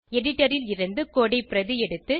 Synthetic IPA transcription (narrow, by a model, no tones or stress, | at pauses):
ɛɽɪʈːɐɾɪlɪɾɯnd̪ɯkoːɽɐɪpːɪɾɐðɯɛɽɯt̪ːɯ